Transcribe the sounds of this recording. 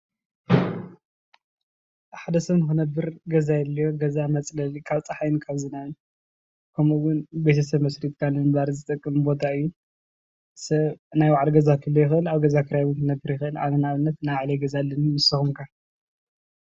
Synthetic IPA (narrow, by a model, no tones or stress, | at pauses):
ħad̪ɐsɐβnɨkɨnɐbːɨɾɡɐzajɛlːijoɡɐzamɐt͡sʼlɐlikʰaβt͡sʼɐħajnkʰaβzɨnajɨn | kʰɐmuwʊnbet̪ʰɐsɐβmɐsɾit̪̚kʰalːɨnbaɾzɨt̪ʼɨkʼːɨmbo̞t̪ʰaɨjːu | sɐβnajwaʕalɡɐzakʰɨlːojɪxɨɨlaβɡɐzakʰɨɾjaβnkɨnɐbːɨɾjɪxɨʔɨla̰βɨnaβɨnːɐt̪naʕleɡɐzalːɐnumɨsɨxumkʰa